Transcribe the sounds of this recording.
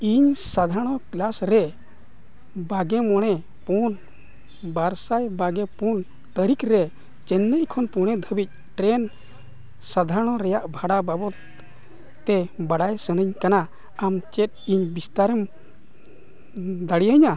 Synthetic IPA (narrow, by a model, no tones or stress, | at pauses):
iɲsad̪ʱaɾɽ̃ɔklasɾɛ | baɡɛmɔɽ̃ɛ | pun | baɾsajbaɡɛpun | t̪əɾikɾɛ | t͡ʃɛnːəʔkʰɔnpuɽ̃ɛd̪ʱəbic̪̚ˀ | ʈɾɛn | sad̪ʱaɾɽ̃ɔɾɛjaʔbʱaɽababɔt̪ | t̪ɛbaɽajsənəɲkana | amt͡ʃɛt̪̚iɲbist̪aɾəm | d̪aɽijəɲa